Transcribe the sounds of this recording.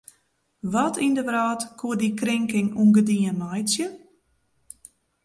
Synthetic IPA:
ʋɔtʰindəʋraːtkʰuədikrɪŋkɪŋunɡədiənmɔjsjə

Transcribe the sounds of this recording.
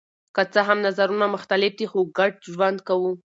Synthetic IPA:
kət͡səɦamnazaɾunamʊxt̪alɪfd̪ixoɡaɖ̚ʒwand̪kawu

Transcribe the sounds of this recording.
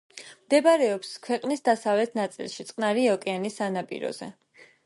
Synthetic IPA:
md̪ɛbaɾɛɔpskʰwɛqʼnisd̪asavlɛt̪ʰnat̪sʼḭlˠʃit̪sʼqʼnaɾiɔkʼɛanisanapʼḭɾɔ̰zɛ̰

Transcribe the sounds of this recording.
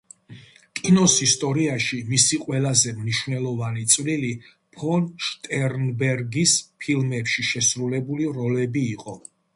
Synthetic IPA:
kʼinɔsist̪ʼɔɾiaʃimisiqʼwɛlazɛmniʃwvnɛlˠɔvanit̪sʼvlili | pʰɔnʃt̪ʼɛɾnbɛɾɡispʰilˠmɛpʃiʃɛsɾulɛbuliɾɔlɛbiːqʼɔ

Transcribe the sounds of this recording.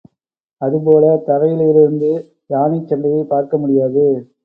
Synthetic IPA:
ɐðɯpoːlɐt̪ɐɣɐjɪlɪɾɪɾɯnd̪ɯ | jaːnit͡ʃːɛndɐjɐɪpaːɾkɐmʊɽɪjaːðɯ

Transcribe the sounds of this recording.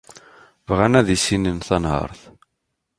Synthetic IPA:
vʁænæðisinənθɑnhə̰ɾˤθ

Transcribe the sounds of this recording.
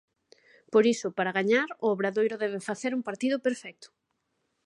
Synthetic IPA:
poɾisʊpaɾaɣaɲaɾʊoβɾaðojɾʊðɛβ̞ɪfaθeɾuŋpaɾt̪iðʊpeɾfɛk̚t̪ʊ̥

